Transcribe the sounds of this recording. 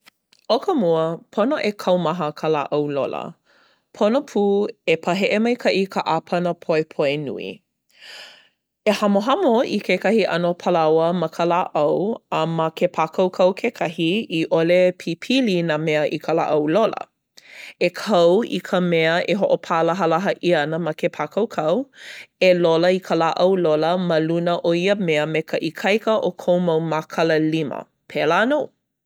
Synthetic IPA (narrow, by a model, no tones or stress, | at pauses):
okʰəmuəpʰonoʔekʰɐwmɐɦəkʰəla̰ʔɐwlo̰lə̰ | pʰonopʰuːepʰɐɦeʔemɐjkʰɐʔikʰəʔapʰɐnəpʰoepʰoenṵḭ | ehɐmoɦɐmoikʰekɐhiʔɐ̰nopʰəlɐwəmɐkʰəlaʔɐwəmɐkʰepʰakʰɐwkʰɐwkʰekʰɐɦiiʔolepʰipʰilinameəʔikʰəla̰ʔɐwlolə̰ | ekʰɐwḭkʰəmɛəʔeɦoʔopʰaləɦɐlɐɦəʔiɐnəmɐkʰepʰakʰɐwkʰɐweloləikʰəlaʔɐwloləmɐlunəʔoiəmeəmekʰəʔikʰɐjkəʔokʰowmowmakʰɐləlimə̰ | pʰelanow